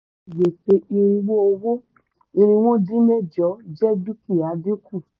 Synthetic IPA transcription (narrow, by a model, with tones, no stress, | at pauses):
je˨te˧ʔi˧ɾĩ˧ɡ͡bo˦o˧wo˦ | i˧ɾ̃ĩ˧w̃ɔ̃˦di˦mɛ˦˨d͡ʒɔ˨˦d͡ʒɛ˦du˦ki˦˨a˨˦di˦ku˦˨